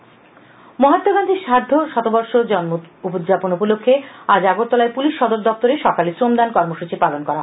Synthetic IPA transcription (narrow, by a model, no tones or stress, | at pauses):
moɦat̪ːoɡand̪ʱiʃaɾd̪ʱːoʃɔt̪obɔɾʃod͡ʑɔnmoupod͡ʑaponupolokʰːead͡ʑaɡot̪ːɔlaepuliʃːɔd̪oɾd̪ɔft̪oɾeʃɔkalisɾomd̪ankɔɾmoʃut͡ɕipalonkɔɾaɦ